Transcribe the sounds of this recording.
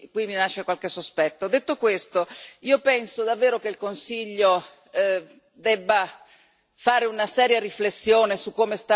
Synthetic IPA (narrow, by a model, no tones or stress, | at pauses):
kwiminaʃːekwalkesːospɛt̪ːod̪et̪ːokwest̪oiːopɛnsod̪avːeːɾok̟eilkonsiʎːo | d̪ɛbːa | faːɾeunasɛːɾjariflesːjoːnesukːoːmest̪a